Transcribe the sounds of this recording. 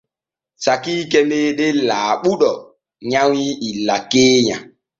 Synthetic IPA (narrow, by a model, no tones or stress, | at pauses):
sakikɛmeɗelaːɓuɗɔ | ɲawiilakeːɲa̰